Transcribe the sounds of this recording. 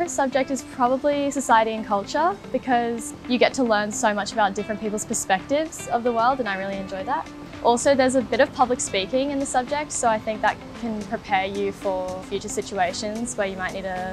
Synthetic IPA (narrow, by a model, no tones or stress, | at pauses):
ɨsʌb̚d͡ʒɨk̚tɨz̥pʰɹ̥ɑbəblisɨsaɪɨɾiɨ̃nkʰʌlˠt͡ʃə˞b̥ɨkʰʌz | jɨɡɛtʰəlɜ̃˞nsoʊmʌt͡ʃəbaʊt̚d̥ɪfɹɨ̃npʰipl̩ˠz̥pʰə˞spɛk̚tɪvz̥ʌvðəwɜ˞lˠdɨ̃naɪɹɪlˠiɨ̃nd͡ʒɔɪðət̚ | ʔɔlˠsoʊðə˞zəbɪɾʌv̥pʰʌblɨkspikɪ̃ŋɨ̃nðɨsʌb̚d͡ʒɪk̚tsoʊaɪθɪ̃ŋk̚ðə̰t̚kʰɨ̃npʰɹ̥ɨpʰɛɹjʉfə˞fjʉt͡ʃə˞sɪt͡ʃʉeɪʃɨ̃nz̥wə˞jɨmaɪʔniɾɨ